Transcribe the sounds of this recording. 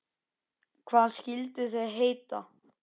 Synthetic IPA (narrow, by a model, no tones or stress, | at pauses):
kʰv̥aːskilt̪ɪs̬ɛðɦejt̪a